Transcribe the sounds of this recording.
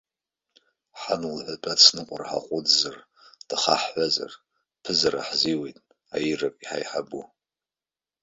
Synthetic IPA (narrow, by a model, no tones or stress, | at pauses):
ħanɨlħʷatʷʼat͡sʰnɨqʷʼarħa̰qʷʼʊdzar | d̥ɨχaħħʷaza̰r | pʰɨzaɾa̰ħziwejtʼ | ajirapʼiħa̰jħabu